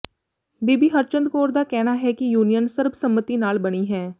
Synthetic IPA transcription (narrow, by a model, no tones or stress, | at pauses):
biːbiːɦəɾt͡ʃənd̪̚koːɾd̪aːkɛːnaɦɛkijuːnijənsɪɾbsəmːət̪inaːlbəɽ̃iɦɛː